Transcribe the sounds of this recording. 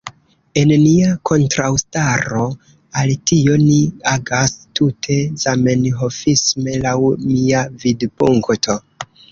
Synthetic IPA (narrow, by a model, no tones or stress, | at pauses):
e̞nniakʰo̞ntɾawstaɾo̞ | altio̞niaɡastutʰe̞z̥ame̞nɦo̞fisme̞lawmiavidpuŋktʰo̞